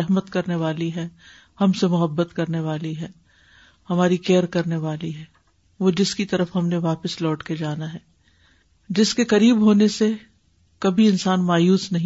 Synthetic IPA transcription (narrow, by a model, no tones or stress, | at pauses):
ɛɦmət̪kɐɾneʋaːliɦɛː | hɐmsemʊɦəbːət̪kɐɾneʋaːliɦɛː | hɐmaːɾikeːɾkɐɾneʋaːliɦɛː | ʋod͡ʒɪskit̪ɐɾəfɦɐmneʋaːpəslɔːʈked͡ʒaːnaɦɛː | d͡ʒɪskekɐɾiːbɦoːnese | kɐbʱiɪnsaːnmaːjuːsnɐɦĩ